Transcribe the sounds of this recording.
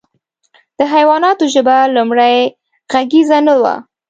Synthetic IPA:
d̪̥əɦajwɑnɑt̪oʒəbalumɽaj | ɣaɡizanawa̰

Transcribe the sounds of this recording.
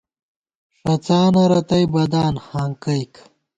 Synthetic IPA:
ʂɐt͡saːnɐɾɐt̪ɐjbɐd̪aːnxaːŋkɐjk

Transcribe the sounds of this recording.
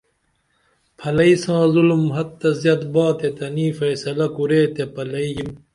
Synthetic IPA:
pʰɐlɐisãːzulumɦɐt̪ːɐzjɐt̪baːt̪et̪ɐniːfɐjsɐlɐkuɾeːt̪epɐlɐijim

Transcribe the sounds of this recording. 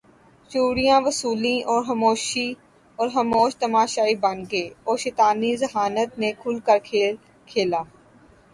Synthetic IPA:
ʃuːɾijãːʋəsuːlĩʔɔːɾɦəmoːʃi | ɔːɾɦəmoːʃt̪əmaːʃaːibənɡeːɔːɾʃeːt̪aːnizəɦaːnət̪nekʰʊlkəɾkʰeːl | kʰeːlaː

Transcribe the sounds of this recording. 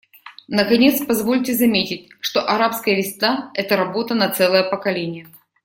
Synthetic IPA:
nəkɐnʲe̞t̪spɐzvo̞lʲtʲɪzɐmʲetʲɪtʲʂt̪oʔɐɾapskəjəvʲɪsʲnaɛt̪əɾɐbo̞t̪ənɐt̪sɛlˠəjəpəkɐlʲenʲɪjə

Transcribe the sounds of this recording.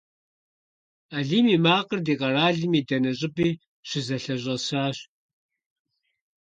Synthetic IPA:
aɮiːmiːmaːqʼərdiːqʼɐraːɮimiːdɐnɐɕʼɪbʼiː | ɕɪzɐɬɐʑʷʼɐsaːɕ

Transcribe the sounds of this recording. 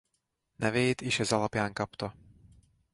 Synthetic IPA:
nɛvɛjt̪iʃɛzalapjaːŋkapt̪o

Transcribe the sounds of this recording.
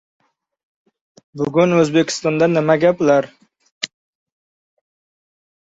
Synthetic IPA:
bʊɡʲʊnɵzbekʲʰɪ̥st̪ɒnd̪anɪmaɡʲaplaɾ

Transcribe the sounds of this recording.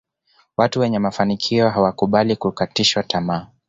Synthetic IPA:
watuwɛɲɛmafanikʰiɔɦawakuɓalikukatiʃwatamaː

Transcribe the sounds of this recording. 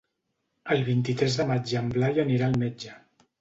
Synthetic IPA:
əlˠβint̪it̪ɾɛzðəmad͡ʒəmblajəniɾaəlˠmed͡ʒə

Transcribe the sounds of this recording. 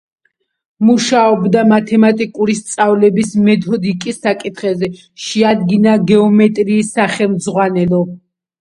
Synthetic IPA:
muʃaɔbd̪amat̪ʰɛmat̪ʼikʼuɾist̪sʼavlɛbismɛd̪ɔd̪ikʼisːakʼit̪ʰχɛzɛ | ʃɛad̪̚ɡinaɡɛɔmɛt̪ʼɾiːsaχɛlˠmzʁwanɛlˠɔ

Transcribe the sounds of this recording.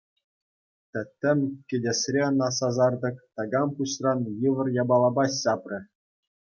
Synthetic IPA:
t̪ʲɘ̆t̪ʲːɘ̆mʲkʲĕdʲesʲrʲeɤ̆nɑsɑzɑrd̪ɤ̆kt̪ɑɡɑmpuɕrɑnjɯʋɤ̆rjɑbɑlˠɑbɑsɑprʲɘ̆

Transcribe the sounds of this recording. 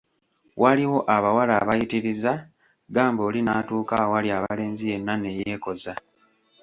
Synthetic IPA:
waliwo̞ʔaβawalaːβajitiɾiza | ɡaːmboːlinaːtuːkawaliaβale̞ːnzije̞nːane̞je̞ːko̞za

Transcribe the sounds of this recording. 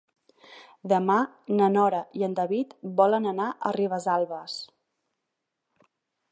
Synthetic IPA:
d̪əma | nənɔɾəiənd̪əβit̪bɔlənənaʔə̰riβ̞əzalˠβəs

